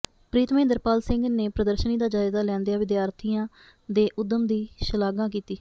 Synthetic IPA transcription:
pɾiːt̪mẽːnd̪əɾpaːlsɪŋɡneːpɾəd̪əɾʃəniːd̪aːd͡ʒaːɪzaːlɛ̃ːnd̪ejaːʋɪd̪ɪjaːɾt̪ʰiːãː | d̪eːʔʊd̪ːəmd̪iːʃəlaːɡãːk̬iːt̪iː

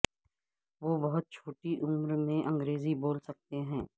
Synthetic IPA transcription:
ʋoːbɐɦʊt̪̚t͡ʃʰoːʈiʔʊmɾmẽʔə̃ŋɡɾeːziboːlsɐk̚t̪eɦɛ̃ː

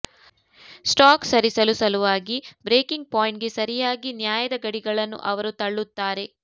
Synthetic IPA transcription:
sʈaːksɐɾisɐlusɐluʋaːɡibɾeːkiŋɡ̚paːjiɳʈɡe̞sɐɾijaːɡinjaːjɐd̪ɐɡɐɽiɡɐɭɐnːṵʔɐʋɐɾut̪ɐɭːut̪ːaːɾe̞

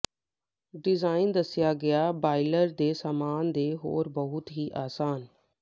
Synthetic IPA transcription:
ɖɪzaːɪnd̪əsɪjaːɡɪjaːbaːɪləɾd̪eːsaːmaːnd̪eːɦo̰ːɾbəɦʊt̪ɦiːʔaːsaːn

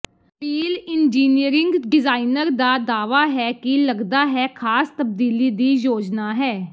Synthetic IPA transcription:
əpiːlɪnd͡ʒiːnijəɾɪ̃ŋɡɖɪzaːinəɾd̪aːd̪aːʋaːɦɛːkɪləɡd̪aːɦɛːkʰaːst̪əb̚d̪iːliːd̪iːjoːd͡ʒnaːɦɛː

